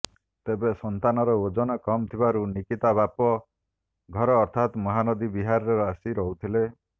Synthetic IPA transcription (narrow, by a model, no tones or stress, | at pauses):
t̪ebesɔnt̪anɔɾɔod͡ʒɔnɔkɔmt̪ʰibaɾunikit̪abapɔ | ɡʱɔɾɔːɾt̪ʰat̪mɔɦanɔd̪ibiɦaɾɾeɾɔasiɾɔɦut̪ʰile